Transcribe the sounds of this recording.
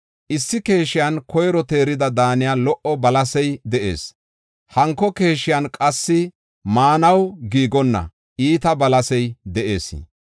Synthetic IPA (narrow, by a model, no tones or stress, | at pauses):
ʔɪsːɪke̞ːʃɪjankɔjɾɔt̪e̞ːɾɪd̪ɐd̪aːnɪjalɔʔɔbɐlɐsɛjd̪ɛʔe̞̰ːs | hɐŋkːɔke̞ːʃɪjɐnkʼɐsːɪ | maːnɐwɡiːɡɔnːɐ̰ | ʔiːt̪ɐbɐlɐsɛjd̪ɛʔe̞ːsɪ̰